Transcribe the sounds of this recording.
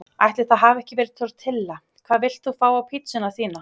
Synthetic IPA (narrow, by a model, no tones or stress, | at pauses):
ajht̪lɪɾθaðɦavɛhcɪvɛːɾɪð̥t̪ʰœɾt̪ʰːɪlːa | kʰv̥aːðvɪl̥t̪θufaːwapʰit̪sʏnaθiːna